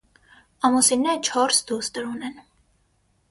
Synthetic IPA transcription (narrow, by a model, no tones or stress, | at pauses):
ɑmusinɛɾət͡ʃʰɔɾsd̪ust̪əɾunɛn